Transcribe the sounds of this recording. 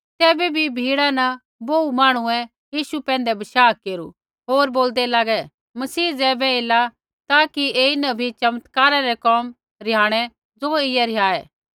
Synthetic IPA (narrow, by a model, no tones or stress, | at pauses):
t̪ɛːbebʱibʱiːɽanɐ | boːumaːɽ̃uɛ̃ | jiːʃupɛ̃ːnd̪ɛbɐʃaːkeːɾṵ | ɦoːɾboːld̪ɛlaːɡɛ | mɐsiːd͡zɛːbɛela | t̪aːkieɪnɐbʱit͡ʃɐmət̪kaːɾaɾɛkɔːm | ɾɪjaːɽ̃ɛ | d͡zoːɪjɛɾɪjaːɛː